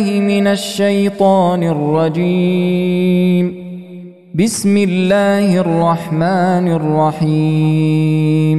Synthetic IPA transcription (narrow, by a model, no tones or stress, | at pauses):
hɪmɪnaʃːajt̪ˤɑːnɪrˤːɑd͡ʒiː | m | bɪsmɪlːaːhrˤːɑħmaːnɑrˤːɑħiː | m